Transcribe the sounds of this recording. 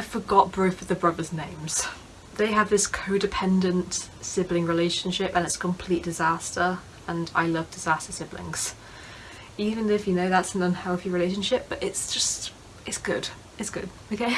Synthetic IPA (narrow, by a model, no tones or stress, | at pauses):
aɪfəɡɒʔ̚b̥ɹʉˑfəðəbɹʌðəznẽɪ̃mz̥ | ðeɪəvðɪskʰoʊdɨpʰɛ̃ndə̃nt | sɪblɪ̃ŋɹɪleɪʃə̃nʃɪpə̃nɪtskʰə̃m̩pʰl̥iʔ̚d̥ɪzastə˞ | ə̃na̰ɪlʌvdɪz̥astəsɪblɪ̰̃ŋz̥ | iːvə̃nɪfjɨnoʊðatsən̩ə̃nhɛlˠθiɹɪleɪʃə̃nʃɪp̚b̥ʌɾɪtsd̥ʒ̥ʌst | ɪtsɡ̥ʊd̥ | ɪtsɡ̥ʊd̥ | oʊkʰeɪ